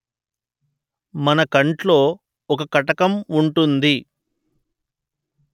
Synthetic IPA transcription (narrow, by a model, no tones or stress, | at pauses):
mɐnɐkɐɳʈlo̞ː | ɔkɐkɐʈɐkɐmuɳʈund̪i